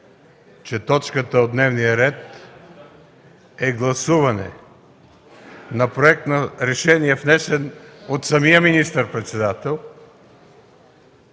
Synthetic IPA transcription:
t͡ʃɛt̪ɔt͡ʃkət̪əod̪nɛvnijəɾɛt̪ | ɛɡlˠɐsuvɐnɛ̰ | nɐpɾoɛk̚t̪nɐɾɛʃɛniɛfnɛsɛnot̪sɐmijəminist̪əɾpɾɛt̪sɛd̪at̪ɛlˠ

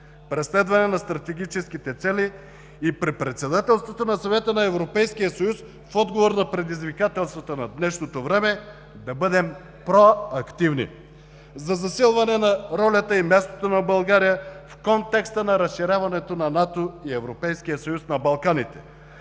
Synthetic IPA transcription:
pɾɛslɛd̪vɐnɛnɐst̪ɾɐt̪ɛɡ̟ʲit͡ʃɛskit̪ɛt̪sɛliː | pɾipɾɛt̪sɛd̪at̪ɛlˠst̪vot̪onɐsɐvɛt̪ənɐɛvɾopɛjsk̟ijəsɐjus | fɔd̪ɡovoɾnɐpɾɛd̪izvikat̪ɛlˠst̪vɐt̪onɐd̪nɛʃnot̪ovɾɛmɛ | d̪ɐbɤd̪ɛm | pɾoɐkt̪ivnḭ | zɐzɐsilˠvɐnɛnɐɾɔlʲɐt̪əimʲjast̪ot̪onɐbɐlˠɡaɾijəfkont̪ɛkst̪ənɐɾɐsʃiɾʲavɐnɛt̪onɐnat̪oiɛvɾopɛjsk̟ijəsɐjusnɐbɐlˠkanit̪ɛ̥

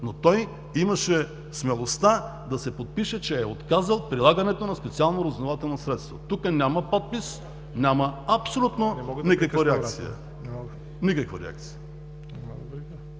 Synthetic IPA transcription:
not̪ɔj | imɐʃɛ | smɛlˠost̪ad̪ɐsɛpot̪̚piʃɛt͡ʃɛːot̪kazəlˠpɾilˠaɡɐnɛt̪onɐspɛt̪sialˠnoɾɐzvnovat̪ɛlˠnosɾɛt̪st̪vot̪ukənʲamɐpɔt̪̚pis | nʲamɐɐpsolʲut̪nonikɐkvaɾɛakt̪sijə̰ | nikɐkvɐɾɛ̰a̰k̚t̪si̥jə

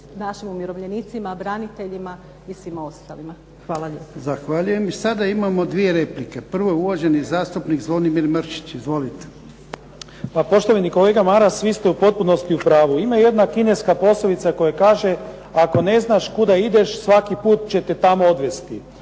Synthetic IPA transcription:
naʃimumjiɾo̞ʋʎenit̪simabɾanit̪eʎima | isʋimao̞st̪alima | xʋaːlˠaʎepzaxʋaʎuje̞misad̪aimamo̞d̪ʋie̞ɾe̞plike̞pr̩ʋojeuʋaʒe̞nizaːst̪upnikzlod̪imiɾmr̩ʃi̥t͡ɕizʋo̞lit̪e̥ | papo̞ʃt̪oʋaniko̞leɡamaɾasʋist̪eupo̞t̪̚punost̪iupɾaːʋuimaje̞d̪nakineskapo̞slelit̪sako̞jakaːʒe | ako̞ne̞znaʃkud̪aid̪e̞ʃsʋakipuːt̪̚t͡ɕe̞t̪et̪amood̪ʋest̪i

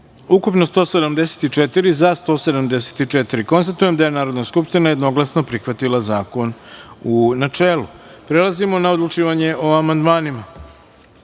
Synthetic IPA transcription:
ukupno̞st̪o̞ːsed̪amd̪ese̥t̪it͡ʂet̪iɾizast̪o̞ːse̞d̪amd̪ese̥t̪it͡ʂet̪iɾiko̞nst̪at̪uje̞md̪aje̞naːɾo̞d̪naskupʃt̪inaje̞d̪no̞ɡlˠasno̞pɾixʋat̪ilˠazaːko̞nunat͡ʂeːlupɾe̞lˠazimo̞naod̪lˠut͡ʂiːʋaɲeʔoamand̪maːnima

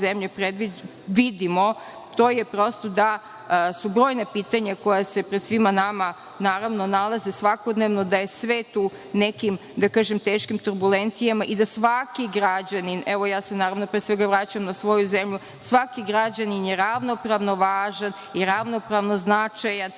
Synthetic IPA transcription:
zemʎepɾed̪ʋi | ʋid̪imo | t̪o̞ːjepɾo̞st̪o̞d̪a | subɾo̞ːjnapiːt̪aɲako̞jase̞pɾd̪sʋimanama | naːɾaʋnonalˠazesʋakod̪neʋno̞d̪ajesʋet̪uː | nekimd̪akaːʒemt̪eːʃkimt̪uɾbulent̪sijamaʔid̪asʋakiɡɾad͡ʑaninʔɛʋo̞jaːse̞naːɾaʋnopɾeːsʋe̞ɡaʋɾat͡ɕamnasʋo̞juzemʎu | sʋakiɡɾad͡ʑaninjeɾaʋno̞pɾaʋno̞ʋaːʒan | iɾaʋno̞pɾaʋnoznat͡ʃajan

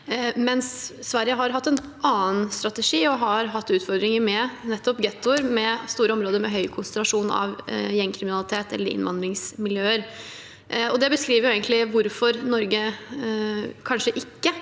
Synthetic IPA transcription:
mɛnsːʋæɾjəɦɑɾɦɑt̪ːɛn | ɑːənst̪ɾɑt̪əʂiːɔɦɑɾɦɑt̪ːʉːt̪fɔɾd̪ɾɪŋəɾmɛnɛt̪ːɔpɡɛt̪ːʊəɾmɛst̪uːɾəɔmɾoːd̪əɾmɛɦœʏkʰʊnsənɾɑʂuːnɑ̰ʋjɛŋːkʰɾɪmɪnɑlɪt̪ʰeːt̪ɛ̰lːəɾɪ̰nʋɑ̰nd̪ɾɪŋsmɪljøːəɾ | ɔd̪ɛbəskɾiːʋəɾjʊeːɡnlɪʋʊɾfɔɾnɔɾɡə | kʰɑnʂəʔɪkːə

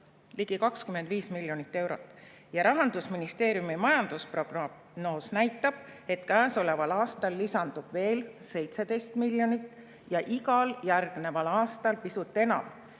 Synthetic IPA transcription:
liɡ̥ikɑkskyme̞nd̪viːsmilʲjo̞nit̪ːe̞wɾo̞t̪ːˑ | jɑɾɑɦɑnd̪̥usminist̪e̞ːɾjumimɑjɑnd̪uspro̞ɡ̥rɑ | noːsnæjt̪ːˑɑb̥̚e̞t̪kæːso̞le̞vɑlɑːst̪ɑlːisɑnd̪̥ub̥ve̞ːlse̞jt̪se̞d̪e̞jst̪milːjo̞nit̪ːˑ | jɑʔiɡɑljærɡ̥ne̞vɑlɑːst̪ɑlpisut̪ˑːe̞nɑ̰m

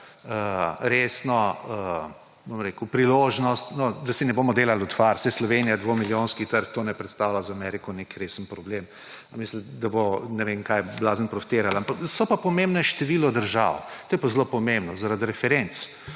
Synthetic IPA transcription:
əɾeːsnɔə | bomɾekəʊpɾiloːʒnɔst̪nɔd̪asinɛboːmɔd̪elalʊt̪faɾsɛslɔʋenijad̪ʋomiljoːnskit̪əɾk̚t̪oːnɛpɾɛt̪st̪awlʲazamɛɾikɔnekɾesənpɾɔblem | amisləd̪abonɛʋenkajblaːzənpɾɔfi̥t̪eːɾalampaksɔpapɔmembnɛʃt̪ɛʋilɔd̪əɾʒa̰wt̪oːjɛpazlopɔmẽmbnɔzaɾad̪ɾɛfɛɾent̪s

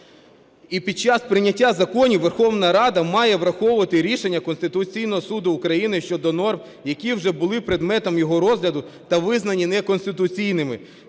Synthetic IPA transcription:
ipʲid̪̚t͡ʃɑspɾɪnʲɐtʲːazɐkɔnʲiʋerxɔʋnɐɾɑd̪ɐmɑjɛʋɾɐxɔwʊʋɐt̪ɪɾʲiʃenʲːɐkɔnst̪ɪt̪ʊt͡sʲijnɔɦɔsud̪ʊːkɾɐjinɪʃt͡ʃɔd̪ɔnɔrm | jɐkʲiwʒɛbʊlˠɪpɾed̪mɛt̪ɔmjɔɦɔɾɔzɦlʲɐd̪ʊt̪ɐʋɪznɐnʲinɛkɔnst̪ɪt̪ʊt͡sʲijnɪmɪ

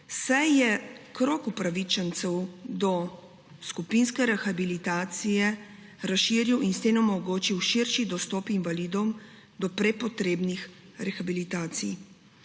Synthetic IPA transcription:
sajjɛkɾoːkupɾaʋit͡ʃɛnt̪sɛwd̪ɔ | skupinskɛɾɛxabilit̪aːt̪sijɛ | ɾasʃiːɾiwʔinst̪eːnɔmɔɡoːt͡ʃiwʃiɾʃid̪ɔst̪ɔːpinvalid̪ɔwm | d̪ɔpɾɛpɔt̪ɾeːbnixɾɛxabilit̪aːt̪sḭj

